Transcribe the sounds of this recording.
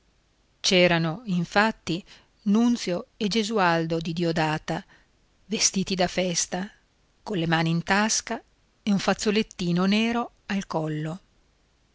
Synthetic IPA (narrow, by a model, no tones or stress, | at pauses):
t͡ʃɛːɾanoiɱfat̪ːi | nunt̪sjoed͡ʒezuald̪od̪id̪iod̪aːt̪a | vest̪iːt̪id̪afɛst̪a | kolemaːniːnt̪aska | euɱfat̪sːolet̪ːiːnonɛːɾo | alkɔlːo